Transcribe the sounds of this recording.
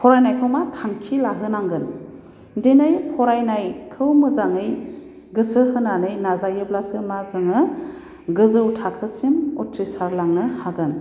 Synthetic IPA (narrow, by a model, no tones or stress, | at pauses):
pʰɔɾajnajkʰɯwmatʰaŋkʰilaɦɯnaŋɡɯn | denɯjpʰɔɾajnajkʰɯwmɯzaŋɯj | ɡɯsɯɦɯnanɯjnazajɯblasɯmazɯŋɯ | ɡɯzɯwtʰakʰɯsimutɾisaɾlaŋnɯhaɡɯn